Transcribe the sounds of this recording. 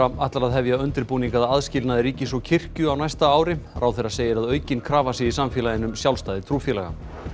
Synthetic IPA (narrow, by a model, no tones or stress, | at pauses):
aaht̪laɾaðɦɛvjaœnt̪ɪɾpuːniŋkaðaðscɪlnaðɪɾiːcɪsvɔcʰɪr̥cʏawnajst̪aaːwɾɪɾʔaːwθɛɾaseːjɪɾaðœːɥcɪnkʰɾaːvasɪisamfjɛlajɪnʏmsjawlst̪aːjðɪt̪ʰɾuːfjɛlɛɣa̰